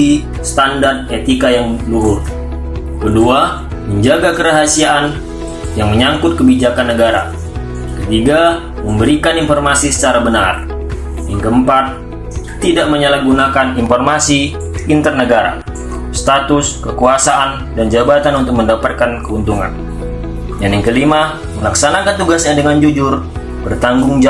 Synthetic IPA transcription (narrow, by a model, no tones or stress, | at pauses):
i | st̪andart̪̚et̪ikajaŋluɦʊr | kədua | məɲd͡ʒaɡakəɾaɦasiaʔːn | jaŋməɲaŋkʊt̪̚kəbid͡ʒakanːəɡaɾa̰ | kət̪iɡa | məmbəɾikaninfɔrmasisə̥t͡ʃaɾabənar | jaŋkəəmpat̪̚ː | idaʔməɲalahɡunakaninfɔrmasi | int̪ərnəɡaɾa̰ | st̪at̪ʊskəkuasaʔan | dand͡ʒabat̪anunt̪ʊk̚məndapat̪̚kankəunt̪uŋa̰n | danjaŋkəlima | məlaksanakant̪uɡasɲadəŋand͡ʒud͡ʒʊr | b̥ərt̪aŋɡʊŋd͡ʒa